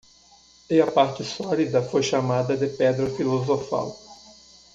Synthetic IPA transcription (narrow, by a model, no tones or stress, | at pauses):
ɪɐpaɾt͡ʃɪsɔlid̪ɐfojʃamad̪ɐd̪ɪpɛd̪ɾɐfilozofa̰w